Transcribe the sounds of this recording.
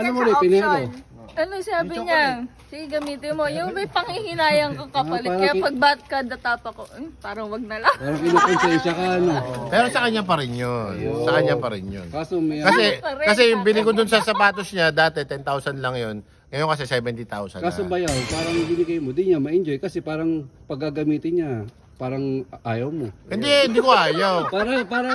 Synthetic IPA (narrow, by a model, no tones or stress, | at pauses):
ɐlamolɛpɪnio | ʔɐnosaːbɪɲɐ | sɪɪɡɐmiːt̪ɪnmo̞jʊŋmɐjpɐŋhihɪnaːjɐŋkokɐpɐlɪapɐɡ̚baːt̪̚kad̪ɐt̪aːpɐkoʔpaːɾɐŋwɐɡ̚nɐlɐpaɾɐŋkɪokonsɛnʃɐkɐɐnopɛːɾosɐkɐɲap̬ɐɾɛnjonsɐkɐɲapɐɾɛnjo̰nkaːsomɐkɐsɛpɐɾɛkɐsɛjʊŋbɪnɪɡod̪ʊnsɐsɐpaːt̪osɲad̪aːt̪ɛt̪ɛnt̪awsɐnlɐŋjo̞n | ŋɐjo̞nkɐsɛsɛːbɛnt̪ɪt̪a̰wsɐ̰nkaobɐjawpaːɾɐŋbɪnɪɡɐjmod̪ɪɲamɐʔɪnd͡ʒojkɐsɛpaːɾɐŋpɐɡaɡɐmiːt̪ɪnɲa | paːɾɐŋʔaːjɐwmohɪnd̪ɛɪnd̪ikoʔaːjawpaɾɐpaːɾɐ